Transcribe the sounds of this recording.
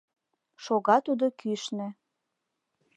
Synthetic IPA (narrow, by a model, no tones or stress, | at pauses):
ʃoɣɑt̪ud̪okyʃnĕ